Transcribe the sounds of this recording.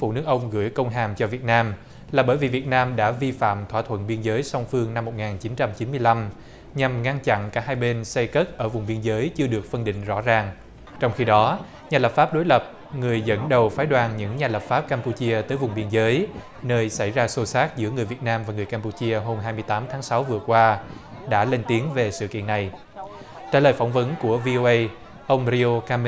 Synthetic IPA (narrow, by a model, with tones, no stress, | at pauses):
fu˧˩nɨ˨˦˥ək̚ʔə˧wŋ͡mɣɨ̰˧˩əjkə˧wŋ͡mɦaː˨˩mt͡ɕɔ˧vi˨˩ət̚naː˧m | laː˨˩ɓəː˧˩jvi˨˩vi˨˩ət̚naː˧mɗa̰ː˧˥vi˧fa̰ː˧˨mt̪ʰwaː˧˩t̪ʰwə̰˧˨nɓi˧ənzəː˨˦jsɔ˧wŋ͡mfɨ˧əŋna˧mːo˨˩t̚ŋaː˨˩nt͡ɕi˨˦nt͡ɕa˧mt͡ɕi˨˦nmɨ˧əjla˧m | ɲa˨˩mŋa˧ŋt͡ɕa̰˧˨nkaː˧˩ɦaː˧jɓe˧nsa˧jkə˦˥t̚ʔəː˧˩vʊ˨˩ŋ͡mɓi˧ənzəː˨˦jt͡ɕɨ˧əɗɨ˨˩ək̚fə˧nɗḭ˧˨ŋ̟zɔ̰˧˥zaː˨˩ŋ | t͡ɕɔ˧wŋ͡mxi˧ɗɔ˨˦ | ɲaː˨˩lə˨˩p̚faː˦˥p̚ɗo˨˦jlə˨˩p̚ | ŋɨ˨˩əjzə̰˧˥nɗə˨˩wfaː˨˦jɗwaː˨˩nɲɨ̰˧˥ŋɲaː˨˩lə˨˩p̚faː˦˥p̚kaː˧mpu˧t͡ɕi˧ət̪əː˨˦jvʊ˨˩ŋ͡mɓi˧ənzəː˨˦j | nəː˧jsa˧˩jzaː˧so˧saː˦˥t̚zɨ̰˧˥əŋɨ˨˩əjvi˨˩ət̚naː˧mvaː˨˩ŋɨ˨˩jkaː˧mpu˧t͡ɕi˧əɦo˧mɦaː˧jmɨ˧əjt̪aː˨˦mt̪ʰaː˨˦ŋsa˨˦wvɨ˨˩əkwaː˧ɗa̰ː˧˥le˧nt̪i˨˦əŋve˨˩sɨ̰˧˨kḭ˧˨ənːa˨˩j | t͡ɕaː˧˩ləː˨˩jfa˧˩wŋ͡mvə˨˦nku˧˩əvi˧ʔo˧ʔə˧j | ʔə˧wŋ͡mɾi˧o˧ka˧m